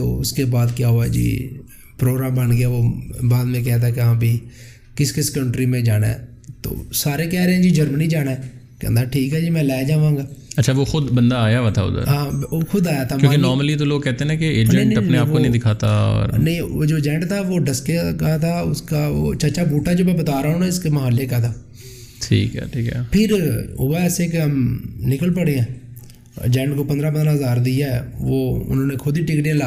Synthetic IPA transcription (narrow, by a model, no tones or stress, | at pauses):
t̪o̰ːʊskeːbaːd̪kjaːɦʊaːd͡ʒḭː | pɾoːɡɾaːmbənɡɪjaːʋoːbaːd̪mẽːk̬ɛːt̪̬akeɦãːbʱiː | kɪskɪskəɳʈɾiːmẽd͡ʒaːna̰ɛ | t̪o̰ːsaːɾeːkɛːɾeɦɛ̃ːd͡ʒiːd͡ʒəɾməniːd͡ʒaːnaɛ | keə̰nd̪aːʈʰiːkɦɛːd͡ʒiːmɛ̃ːlaːd͡ʒaːʋãːɡaːɐtːʃʰaːʋoːxʊd̪bənd̪aaːjaʋaːt̪ʰa̰ːʊ̰d̪ə̰ɾɦãːoxʊd̪aːjaːt̪ʰaːkjõːkenɔːɾməlit̪̬oloːɡ̚kɛɦt̪enɛ̃keeːd͡ʒɛ̃ɳʈəneaːpkonə̃ĩd̪ɪkʰaːt̪aːɔ̰ːɾnəĩoːd͡ʒoːd͡ʒɛ̃ɳʈt̪ʰaːʋoːɖəskekat̪ʰaːʊ̰skaːʋo̰ːt͡ʃət͡ʃaːbuːʈaːd͡ʒoːbɛ̃bət̪aːɾaɦõːnaɪskeməɦaːlːeːkat̪ʰaː | ʈʰḭːkɛ̰ːʈʰiːkɛ̰pʰɪɾo̰ʋaɛːsekeɦəmnɪkəlpəɽeã̰ː | d͡ʒɛ̃ːɳʈkoːpə̃nd̪ɾaːpənd̪ɾaːɦəzaːɾd̪ɪaɛʋoːʊ̰nõːneːkʰʊd̪iːʈɪkɽiãːla